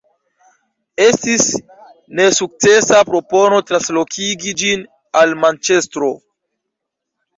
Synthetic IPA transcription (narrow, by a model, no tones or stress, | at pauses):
e̞stis | ne̞suk̚t͡se̞sapɾo̞po̞no̞tɾanslo̞kʰiɡid͡ʒin | almant͡ʃe̞stɾo̞